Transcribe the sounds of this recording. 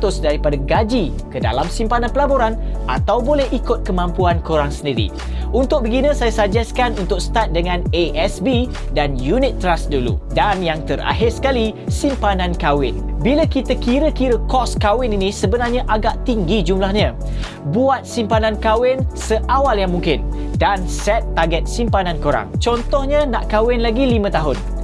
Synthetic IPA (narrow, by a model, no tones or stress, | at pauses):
t̪ʊsdaɾipadaɡad͡ʒi | kəda̰lamsimpanãnpəlaboɾanʔa̰t̪awbolɛhikʊt̪̚kəmãmpuankuɾaŋsəndiɾḭ | unt̪ʊk̚bəɡinə̃sajasad͡ʒaskanunt̪ʊk̚sə̥t̪at̪̚dəŋãneʔɛsbi | danjunit̪ːɾasdulṵdanjaŋt̪əɾa̰ɦɪrsə̥kalisimpanãnkawɪ̰nbiləkit̪akiɾəkiɾəkɔskawɪninĩsəbənarɲãʔaɡaʔt̪iŋɡid͡ʒumlahɲə̃ | buat̪̚simpanãnkawɪnsəʔawaljaŋmũŋkɪn | dansɛt̪ːaɡɛt̪̚simpanãnkoɾa̰ŋt͡ʃɔnt̪ɔhɲãnãʔkawɪnlaɡilimə̃t̪aɦʊn